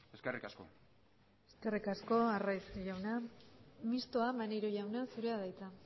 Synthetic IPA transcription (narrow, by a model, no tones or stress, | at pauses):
eskerikasko̰ | eskerikasko̞arajsʝawna | mist̪oamanejɾuʝawnasuɾeaðajt͡s̪a